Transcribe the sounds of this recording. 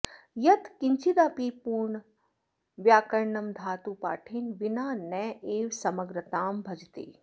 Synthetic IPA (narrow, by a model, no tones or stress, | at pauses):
jɐt̪kiɲt͡ʃid̪aːpiːpuːɾɳ | ʋjaːkɐɾɳɐmd̪ʱaːt̪uːpa̰ːʈʰinʋinaːnɛːʔeːwsɐmɐɡɾɐt̪aːmbʱɐd͡ʒt̪ḛː